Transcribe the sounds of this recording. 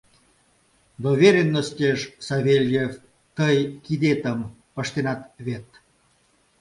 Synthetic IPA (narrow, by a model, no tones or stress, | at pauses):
d̪ovʲeɾʲenːosʲtʲeʃsaβʲelʲjef | t̪əjkid̪et̪əm | pəʃt̪enɑt̪βʲet̪